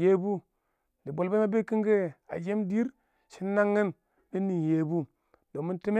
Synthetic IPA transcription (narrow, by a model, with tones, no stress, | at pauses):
je˦bu˦ | li˨bo˨lbe˦ma˦be˦ki˦ŋɡe˦a̰˨d͡ʒe˦mdi˦ɾ | ʃi˦nːa˦ŋːi˦n | di˦nːi˨nje˨bu˦ | do˨mi˦nti˦me˦